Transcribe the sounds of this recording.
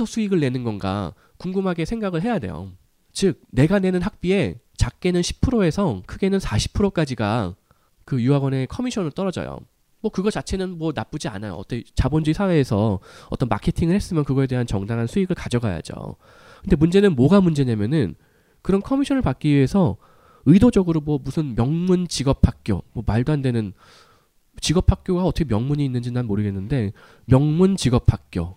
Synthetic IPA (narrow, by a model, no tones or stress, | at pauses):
sʰʌsʰuiɡɯɭːe̞nɯnɡʌnɡa̰ | kuŋɡɯmɦaɡe̞sʰeŋɡaɡɯɭɦe̞jade̞̰jo̰ | t͡ɕɯk̚ne̞ɡane̞nɯnɦak̚p͈ie̞ | t͡ɕak̚k͈e̞nɯnɕʰi̥pʰɯɾoe̞sʰʌkʰɯɡe̞nɯnsʰaɕʰi̥pʰɯɾok͈ad͡ʑiɡa̰ | kɯjuaɡwʌne̞kʰʌmiɕʰʌnɯɭt͈ʌɾʌd͡ʑʌ̰jo̰ | mwʌkɯɡʌt͡ɕat͡ɕʰe̞nɯnmwʌnap͈ud͡ʑia̰najo̰ʌ̰t͈ʰet͡ɕabond͡ʑuisʰawe̞ːsʰʌʌt͈ʌnma̰kʰe̞tʰiŋɯɭhe̞s͈ɯmjʌnkɯɡʌe̞de̞ɦant͡ɕʌŋdaŋɦansʰuiɡɯɭkad͡ʑʌɡaja̰d͡ʑo̰ | kɯnde̞mund͡ʑe̞nɯnmoɡamund͡ʑe̞ɲamjʌnɯn | kɯɾʌnkʰʌmiɕʰʌnɯɭpak͈iɥie̞sʰʌ | ɯidod͡ʑʌɡɯɾomwʌmusʰɯnmjʌŋmunt͡ɕiɡʌpʰhak̚k͈jo̰mwʌmaɭdoɦandwe̞nɯn | t͡ɕiɡʌp̚ʰak̚k͈joɡaʌtʰʌkʰemjʌŋmuɲiːnːɯnd͡ʑinanmoɾɯɡe̞nːɯnde̞ | mjʌŋmunt͡ɕiɡʌp̚ʰak̚k͈jo̰